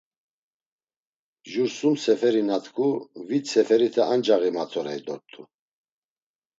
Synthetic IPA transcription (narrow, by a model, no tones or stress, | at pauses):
ʒuɾsumsɛfɛɾinat̪ʰkʰuvit̪sʰɛfɛɾit̪ʰɛand͡ʒaɣimat͡s̪ʰɔɾɛid̪ɔt̪ʼːu